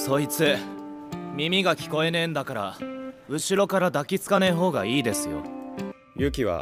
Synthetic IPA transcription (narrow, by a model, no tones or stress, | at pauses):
so̞it͡sɨ | mʲimʲiɡakʲi̥ko̞e̞nẽ̞nd̪akaɾa̰ɯ̟ɕiɾo̞kaɾad̪akʲit͡sɨ̥kaneɦo̞ːɡa̰iːd̪e̞sɨjo̞̰ | jɯ̟kʲiβa̰